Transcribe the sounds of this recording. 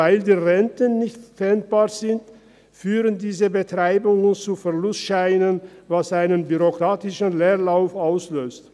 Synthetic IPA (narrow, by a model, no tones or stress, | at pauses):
aɪldiːʁɛntənːɪçtfɛnt̚b̥aːɐzɪnt | fyːʁəndiːzəbətʁ̥aɪbʊŋənt͡sufɛɐlʊstʃaɪnənvasʔaɪnənbyʁokʁ̥aːtɪʃn̩leːʁlaʊfaʊsløːst